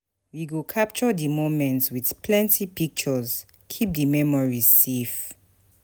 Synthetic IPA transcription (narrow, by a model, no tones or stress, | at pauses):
wiɡukʰap̚t͡ʃɔdəmomɛ̃ntswið̥pʰlɛ̃ntʰipik̚t͡ʃɔz | kʰip̚dəmɛmɔɹisef